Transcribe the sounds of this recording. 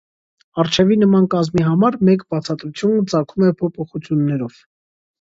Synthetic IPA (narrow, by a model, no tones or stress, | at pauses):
ɑɾt͡ʃʰɛvinəmɑnkɑzmiɦɑmɑɾmɛkbɑt͡sʰɑt̪ɾut͡sʰjunət͡sɑkʰumɛpʰɔpʰɔχut͡sʰjunːɛɾɔv̥